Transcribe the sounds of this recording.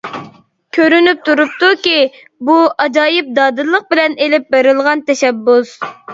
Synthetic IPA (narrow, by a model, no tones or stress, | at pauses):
kʲʰøɾynyp̚t̪ʰuɾup̚t̪ukʲi | buɑd͡ʒɑːjɪp̚d̪ɑːd̪ɨlˠːəq̚bɪlɛnelɪp̚beɾɪlˠʁɑnt̪ʰɛʃɛbːus